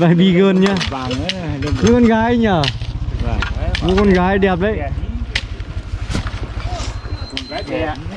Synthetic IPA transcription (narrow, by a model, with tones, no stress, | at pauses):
vaː˨˧˩jɓi˧˨ɣəː˧˩nɲaː˧ | xɨ˨˧˦ɔ˧nɣaː˨˦jɲaː˧˩ | mu˧˦kɔ˧˦nɣaː˨˧˦jɗɛ˨˩p̚ɗə̰˧˨jʔ